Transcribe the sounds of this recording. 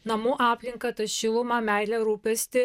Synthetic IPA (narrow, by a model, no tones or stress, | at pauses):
nɐmuːʔɑːpʲlʲɪŋkɐt̪ɐʃʲɪlˠʊmɐmʲæˑɪlʲɛɾuːpʲɛsʲt̪ʲɪ